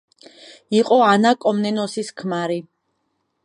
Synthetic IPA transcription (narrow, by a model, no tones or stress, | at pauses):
iqʼɔanakʼɔmnɛnɔsiskʰmaɾi